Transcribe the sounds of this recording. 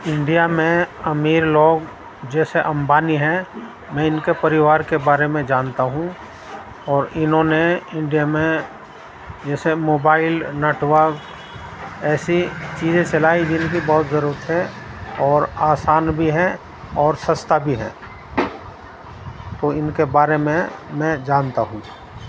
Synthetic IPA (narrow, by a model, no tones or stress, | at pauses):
ɪ̃ɳɖijamẽɐmiːɾloːɡ | d͡ʒɛːseʔɐ̃mbaːniɦɛ̃ | mɛ̃ɪnkepɐɾɪʋaːɾkebaːɾemẽd͡ʒaːnt̪aɦũ | ɔːɾɪnɦõneɪ̃ɳɖijamẽ | d͡ʒɛːsemoːbaːɪlnəʈwaɡ | ɛːsit͡ʃiːzẽt͡ʃɐlaːid͡ʒɪnkibɔɦʊt̪zəɾuːɾət̪ɦɛ̃ | ɔːɾaːsaːnbʱiɦɛ | ɔːɾsə̃st̪ʰabʱiɦɛ̰̃ː | t̪oɪnkebaːɾemẽmɛ̃d͡ʒaːnt̪aɦũ